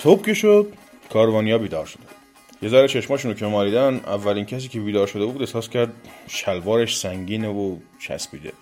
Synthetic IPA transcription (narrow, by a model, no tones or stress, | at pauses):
t̪ʰob̚cʰʲeʃod̪̥̚ | kʰɒːɾvɒːnijɒːbiːd̪ɒːɾʃod̪æ | jezæɾet͡ʃʰe̞ʃmɒːʃunocʰemɒːliːd̪ænʔæ̰vːælinkʰæsiːcʲʰe̞biːd̪ɒːɾʃo̞d̪ebuːd̪ehsɒːscʰʲæɾd̪ʃælvɒːɾeʃsæŋɟiːnevo | t͡ʃʰæ̰spḭːd̪ḛ